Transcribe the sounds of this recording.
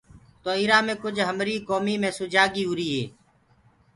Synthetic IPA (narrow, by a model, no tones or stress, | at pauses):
t̪oːiːɾaːmẽːkʊd͡ʒʱɦəmɾiːkoːmiːmẽːsʊd͡ʒaːɡiːɦʊɾiːɦeː